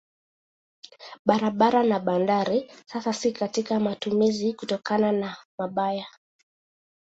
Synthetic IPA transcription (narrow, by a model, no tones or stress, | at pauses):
ɓaɾaɓaɾanaɓandaɾisasasikatikamatumizikutɔkananamaɓaja